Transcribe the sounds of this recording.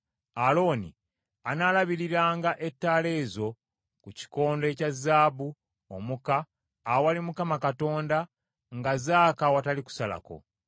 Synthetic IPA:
alo̞ːnḭ | anaːlaβiɾiɾaːŋɡaʔe̞tːaːle̞ːzo̞ | kuci̥ko̞ːnde̞cazːaːbu | omukaː | walimukamakato̞ːnda | ŋɡazaːkawataliku̥sala̰ko̞̰

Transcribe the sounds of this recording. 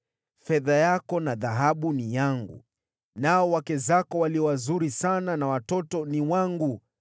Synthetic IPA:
fɛðajakɔnaðaɦaɓunijaŋɡṵ | naɔwakɛzakɔwaliɔwazuɾisananawatɔtɔniwaŋɡu

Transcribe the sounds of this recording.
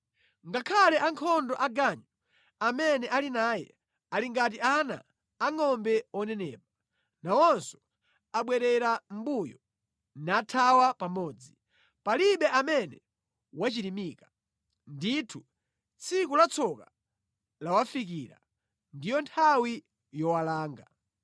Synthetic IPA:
ŋɡakʰalɛʔaŋkʰɔndɔʔaɡaɲɔ | amɛnɛʔalinaːjɛ̰ | aliŋɡat̬iana̰ː | ŋɔmbɛɔnɛnɛ̰ːpa | nawɔnsɔ̥ | aɓwɛɾɛɾam̩bujɔ | natʰawapamɔːd͡zi | paliɓɛamɛnɛ | wat͡ʃiɾimiːka | nditʰu | t͡sʰikulat͡sʰɔka | lawafik̬iːɾa̰ | ndijɔntʰawi | jɔwalaːŋɡa

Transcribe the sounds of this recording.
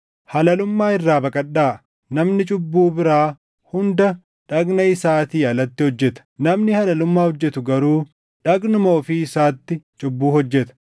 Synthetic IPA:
hɐlɐlʊmːaːɪrːaːbɐkʼɐɗːaː | nɐmnɪt͡ʃʼʊbːuːbɪɾaː | hʊnd̪ɐ | ᶑɐɡnɐɪsaːt̪iːɐlɐt̪ːɪhɔd͡ʒːɛt̪ɐ̥nɐmnɪhɐlɐlʊmːaːhɔd͡ʒːɛt̪ʊɡɐɾuː | ᶑɐɡnʊmoːfiːɪsaːt̪ːɪt͡ʃʼʊbːuːhɔd͡ʒːɛt̪ɐ̥

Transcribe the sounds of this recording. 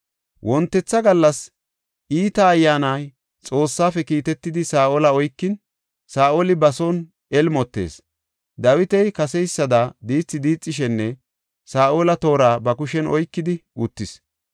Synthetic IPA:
wʔɔnt̪ːɛt͡sːɐɡɐlːɐs | ʔiːt̪ɐːjːaːnaj | t͡sʼo̞ːsːaːfɛkiːt̪ɛt̪ːɪd̪ɪsaːʔolɐɔjkːɪn | saːʔolɪbɐson | ɛlmɔt̪ːe̞̰ːs | d̪ɐwɪt̪ɛjkɐsɛjsːɐd̪ɐd̪iːt͡sːɪd̪iːt͡sʼːɪʃ̬ɛnːɛ | saːʔolɐt̪o̞ːɾaːbɐkʊʃɛnɔjkːɪd̪ɪʔʊt̪ːɪs

